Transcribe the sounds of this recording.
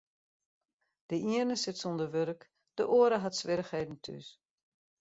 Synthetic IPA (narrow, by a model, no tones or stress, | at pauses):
d̥əʔiərnəsɪtsondəʋøɾək | d̥əʔoəɾəɦatsʋɪɾəxheːdn̩tʰy̰s